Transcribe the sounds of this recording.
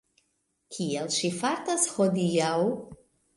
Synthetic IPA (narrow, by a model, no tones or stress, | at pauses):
kʰielʃifaɾtashodiaw